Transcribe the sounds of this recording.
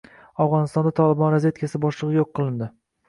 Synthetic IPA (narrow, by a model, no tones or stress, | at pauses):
awʁɒnɪst̪ɒnd̪at̪ʰɒlˠɪbɒnɾazve̞t̪kʰʲasɪbɒʃlˠɨʁɨjoqʰːɨlˠɪnd̪ɪ